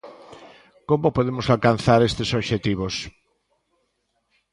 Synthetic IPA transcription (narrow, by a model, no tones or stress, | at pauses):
komopoðemosalkan̟θaɾest̪esoβʃet̪iβ̞os